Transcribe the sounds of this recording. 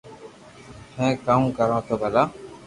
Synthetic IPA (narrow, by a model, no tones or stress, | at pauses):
hɛ̃ːkamkəɾõːt̪obʱəlaː